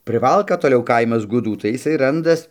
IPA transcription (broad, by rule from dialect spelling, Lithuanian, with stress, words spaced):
pʲrʲɪˈʋɐlˠkɐ toːˈlʲɛʊ ˈkɐɪmɐs ɡʊˈduː tɐɪ jɪˈsɐɪ ˈrɐndɐs